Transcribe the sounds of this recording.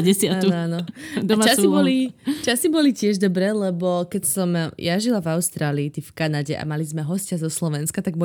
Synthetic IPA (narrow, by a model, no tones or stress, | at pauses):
ɟɛsɪaanɔanɔd̪at͡ʃasibɔlit͡ʃasibɔlicɪɛʒd̪ɔbɾɛlɛbɔkɛcsɔmjaʒilavaʊst̪ɾaːliːt̪ifkanaɟɛʔa̰malizmɛɦɔscazɔslɔʋɛnskat̪aɡ̚bɔ